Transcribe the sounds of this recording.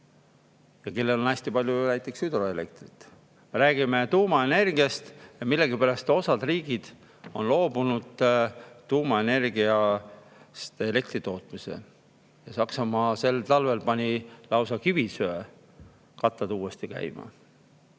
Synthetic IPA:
jɑke̞lːe̞lonæsʲt̪ipɑlʲjunæjt̪ːˑe̞ksyd̪ro̞e̞le̞k̚t̪rit̪ːˑ | meɾæːɡ̥ime̞t̪uːmɑe̞ne̞rɡ̥iɑst̪jɑmilːe̞ɡipæɾɑst̪o̞sɑd̪riːɡ̥id̪̥ | o̞̰nlo̞ːbunud̪̥t̪uːmɑene̞rɡiɑ | st̪ele̞kt̪rit̪o̞ːt̪ˑmisḛ | jɑsɑksɑmɑːse̞lt̪ɑlve̞lpɑnʲilɑwsɑkivisøø | kɑt̪ːɑd̪uːest̪ikæ̰jmɑ̰

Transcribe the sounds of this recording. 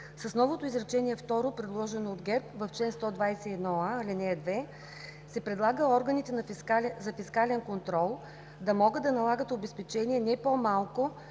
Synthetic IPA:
sɐsnɔvot̪oizɾɛt͡ʃɛniɛft̪ɔɾopɾɛd̪lˠɔʒɛnoːd̪ɡɛɾpvɐft͡ʃlɛnst̪ɔd̪vajsɛɛd̪nɔalinɛd̪vɛ | sɛpɾɛd̪lˠaɡəɔɾɡənit̪ɛnɐskalzɐfiskalɛnkont̪ɾɔlˠ | d̪ɐmɔɡəd̪ɐnɐlˠaɡət̪obɛspɛt͡ʃɛniɛnɛpomalˠko

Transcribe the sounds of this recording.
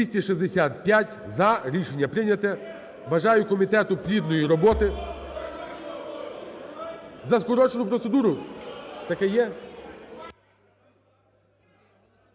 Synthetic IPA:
isʲtʲiʃizd̪esʲat̪̚pʲjatʲ | zɐɾʲiʃenʲːɐpɾɪnʲɐt̪ɛ | ʋɐʒɑjʊkɔmʲit̪ɛt̪ʊpɾʲid̪nɔjiɾɔbɔt̪ɪ | zɐskɔɾɔt͡ʃenʊpɾɔt̪sed̪uɾʊt̪ɐkɛjɛ

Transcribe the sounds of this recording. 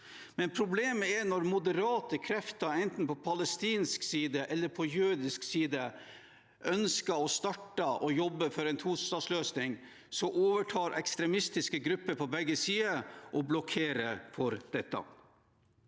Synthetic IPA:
mɛnpʰɾʊbleːməɛnɔɾmʊd̪əɾɑːt̪əkʰɾɛft̪ɑɛnt̪n̩pʰɔpʰɑləst̪iːnsksiːd̪əʔɛlːəɾpʰɔjʉːd̪ɪsksiːd̪ə | ʔœnskəɔst̪ɑʈːəʔɔjɔbːəfɔɾɛɪnt̪ʰuːst̪ɑːsløːsnɪŋ | sɔʔoːʋəʈʰɑːɾʔɛ̰kst̪ɾɛmɪst̪ɪskəɡɾʉpːəɾpʰɔbɛɡːəsiːəʔɔblɔkʰeːɾəfɔɾd̪̥ɛt̪ːɑ̰

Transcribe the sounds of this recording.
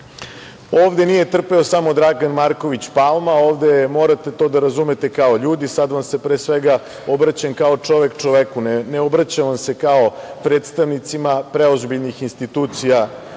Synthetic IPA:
oːʋd̪enije̞t̪r̩peosamo̞d̪ɾaɡanmaɾko̞ʋit͡ɕpaːlˠmao̞ːʋd̪emo̞ɾat̪et̪o̞ːd̪aɾazumet̪e̞kao̞ʎuːd̪isad̪ʋamse̞pɾeːsʋeɡa | obɾat͡ɕankao̞t͡ʂo̞ʋe̞kt͡ʃo̞ʋekunneobɾat͡ɕaʋamse̞kao̞pɾeːt̪st̪aʋnit̪simapɾeozbiʎnixinst̪it̪uːt̪sija

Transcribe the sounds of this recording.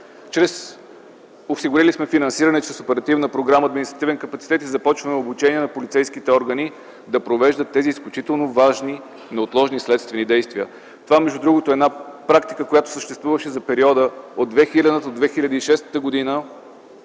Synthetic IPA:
t͡ʃɾɛs | osiɡʊɾilismɛfinɐnsiɾɐnɛt͡ʃɾɛsopɛɾɐt̪ivnəpɾoɡɾaməːd̪minist̪ɾət̪ivɛnkəpɐt̪si̥t̪ɛt̪izɐpɔt͡ʃvəmɛobut͡ʃɛniɛnɐpolit̪sɛjskit̪ɛɔɾɡəni | d̪ɐpɾovɛʒd̪ət̪ːɛziːsklʲut͡ʃit̪ɛlˠnovaʒni | nɐot̪lˠɔʒnislɛt̪st̪vɛnid̪ɛjst̪viə̰ | t̪ovamɛʒd̪ud̪ɾuɡot̪oɛd̪napɾakt̪i̥kəkojat̪o̥səʃt̪ɛst̪vuvəʃɛzɐpɛɾiɔd̪əod̪vɛxilʲɐd̪ət̪od̪vɛxilʲəd̪iiʃɛst̪ə̥t̪əɡod̪inə

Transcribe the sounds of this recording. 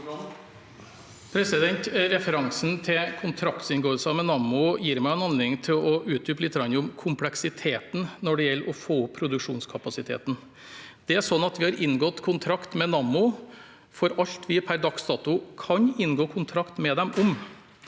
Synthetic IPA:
pʰɾɛsɪd̪ɛnt̪ɾɛfəɾɑŋsn̩t̪ʰɪkʰʊnt̪ʰɾɑkt̪sɪnɡoːəlsəɑmɛnɑmʊjiːɾmæɪɛnhɑnlɪŋt̪ʰɪlɔʉːt̪̚d̪ʉːpəlɪt̪ːəɡɾɑnːəʊmkʰʊmpʰlɛksɪt̪ʰeːt̪nnɔɖɛjɛlːɾɔfoːʊpʰːɾʊd̪ʉkʂuːnskʰɑpɑsɪt̪ʰḛːt̪n̩ | d̪̥ɛæʂɔnːɑt̪ʋɪhɑɾʔɪnːɡɔt̪kʰʊnt̪ʰɾɑkt̪mɛnɑmːʊ | fɔɾɑʎt̪ʋɪpʰæɾd̪ɑksd̪ɑːt̪ʊkʰɑɲɪnːɡoːkʰʊnt̪ʰɾɑkt̪mɛd̪ɛmʊm

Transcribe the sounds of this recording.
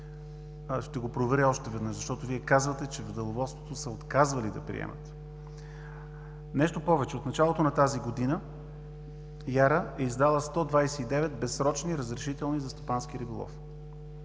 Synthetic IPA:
ʃt̪ɛɡopɾovɛɾiɔʃt̪ɛvɛd̪nəʃzɐʃt̪ɔt̪oviɛkazvət̪ɛt͡ʃɛvəd̪ɛlˠovɔt̪st̪vo̥t̪osəot̪kazvəlid̪ɐpɾḭɛ̰mʔə̰t̪ | nɛʃt̪opɔvɛt͡ʃɛot̪nɐt͡ʃalˠot̪onɐt̪aziɡod̪inə | jaɾəɛizd̪alˠəst̪ɔd̪vajsɛid̪ɛvɛt̪̚bɛsɾɔt͡ʃniɾəzɾɛʃit̪ɛlˠnizɐst̪opansk̟iɾibolˠɔ̰f

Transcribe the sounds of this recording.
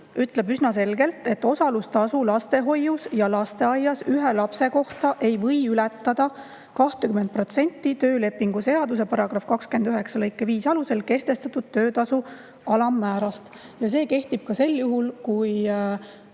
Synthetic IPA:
yt̪ˑle̞bysnɑse̞lɡe̞lt̪ˑe̞t̪ːˑo̞sɑlust̪ɑsulɑst̪e̞ɦo̞jːusjɑlɑst̪e̞ɑjɑsyɦelɑpse̞ko̞ht̪ɑʔe̞jvɤjylɛt̪ːɑd̪̥ɑ | kɑht̪ekyment̪̚pro̞t̪se̞nʲt̪ːˑit̪ø̞ːle̞pːiŋɡ̥use̞ɑd̪us̬e̞pɑɾɑɡ̥ɾɑfkɑkske̞nd̪̥yɦe̞ksɑlɤjkːˑeviːsɑluse̞lke̞ht̪e̞st̪ɑt̪ud̪̥̚t̪ːø̞ːt̪ɑsu | ɑlɑmːæːɾɑst̪ | jɑs̬e̞ːke̞ht̪ib̥̚kɑse̞ljuɦulkuj

